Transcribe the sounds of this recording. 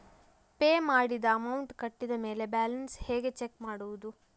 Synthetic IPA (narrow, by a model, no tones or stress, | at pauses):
peːmaːɽid̪ɐːmɐwuɳʈkɐʈːid̪ɐme̞ːle̞baːlɐnsheːɡe̞t͡ʃekmaːɽuʋud̪u